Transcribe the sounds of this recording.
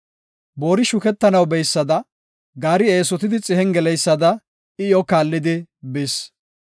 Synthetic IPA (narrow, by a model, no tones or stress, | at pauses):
bo̞ːɾɪʃʊkɛt̪ːɐnɐwbɛjsːɐd̪ɐ | ɡaːɾɪeːsɔt̪ɪd̪ɪt͡sʼɪɦɛŋɡɛlɛjsːɐd̪ɐ | ɪjɔkaːlːɪd̪ɪbɪs